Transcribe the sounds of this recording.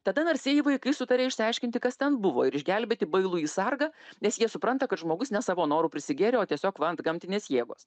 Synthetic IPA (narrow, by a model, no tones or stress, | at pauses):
t̪ɐd̪ɐnɐrʲsʲiɛjiʋɐɪkɐɪsʊt̪ɐɾʲeːɪʃʲsʲɪɐɪʃʲkʲɪnt̪ʲɪkɐst̪ʲɛnbʊʋoːɪɾɪʒʲɡʲɛlʲbʲet̪ʲɪbɐɪlˠuːiːsɐrɡɐːnʲɛsjiɛsʊpɾɐnt̪ɐkɐt̪ʒmoːɡʊsnʲɛsɑːʋoːnoːɾuːpʲɾʲɪsʲɪɡʲeːɾʲeoːt̪ʲiɛsʲoːkʋɐɐnt̪ɡɐmʲt̪ʲɪnʲeːsjeːɡoːs